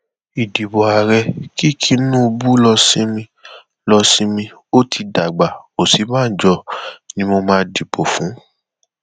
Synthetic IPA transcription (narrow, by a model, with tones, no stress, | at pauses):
i˨di˨bɔ˨a˨ɾɛ˧ki˦˨kʰi˧˦nũː˦o˧bu˦lɔ˧sĩ˦mĩ˧ | lɔ˧sĩ˦mĩ˧ | o˦tʰi˧da˨ɡ͡ba˨o˨si˨˦mãː˦˨˦d͡ʒɔ˧˦nĩ˧˦mo˧mãː˧di˨pʰo˨fũ˨˦